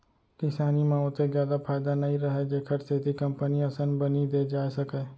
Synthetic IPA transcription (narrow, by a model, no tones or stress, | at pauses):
kɪsaːnimãot̪ezjaːd̪apʰaːjd̪anɐɦĩɾɐɦed͡ʒeːkʰəɾseːt̪ikɐ̃mpəniɐsənbɐnid̪eːd͡ʒaːesɐkeː